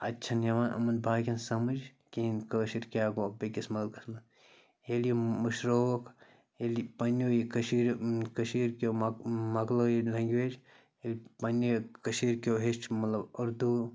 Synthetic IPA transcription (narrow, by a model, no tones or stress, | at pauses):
ɐtːt͡ʃʰɐnjɐʋaːnʔɐ̰mɐnbʱaːkʲɐnsɐmɨd͡ʒ | kinkəːʃiɾkʲaːɡoːbekʲɐsmɐɡlkɐsmɐ | eljomɐʃɾoːk | elipɐnːjoːjikɐʃiɾkɐʃiːɾkʲoːmmɐɡloːjilʲaːŋɡʋeːd͡ʒ | elʲpɐnokɐʃiːɾkʲoːɦeʃʈmɐt̪lɐbuɾd̪u